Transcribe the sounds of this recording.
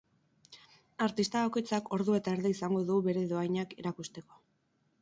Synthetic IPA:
aɾt̪ist̪aβako̞jt͡sako̞ɾðue̞t̪aeɾðeisaŋɡo̞ðuɣuβe̞ɾe̞ðoajɲakiɾakust̪e̞ko̞

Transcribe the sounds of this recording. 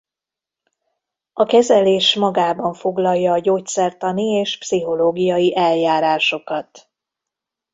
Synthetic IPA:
ɒkɛzɛleːʃmɒɡaːbɒɱfo̞ɡlɒlːɒːɟoːc̪̚sɛrt̪ɒnieːʃpsiɦo̞loːɡijɒjiʔɛljaːɾaːʃo̞kɒt̪

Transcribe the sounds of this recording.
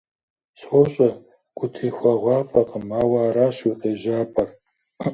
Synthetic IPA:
sʷɔɕʼɐ | ɡ̥ʷʊtʰiːxʷɐʁʷɑːfʼɐqəmaːwɑːɾaːɕiqʼeːʒaːpʰɐr

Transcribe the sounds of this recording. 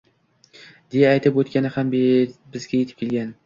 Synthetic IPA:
d̪̥ejaːjt̪ʰɪpot̪kʲanɪhambbɪzɡʲajet̪ɪ̥p̚kʲelɡʲan

